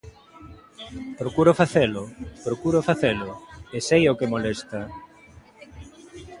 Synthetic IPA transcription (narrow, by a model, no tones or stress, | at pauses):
pɾokuɾofaθelʊpɾokuɾofaθelʊesejokemolest̪ɐ